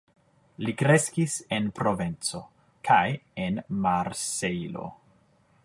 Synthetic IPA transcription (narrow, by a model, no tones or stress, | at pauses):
likɾe̞skise̞npɾo̞vent͡so̞ | kʰajenmaɾsejlo̞̰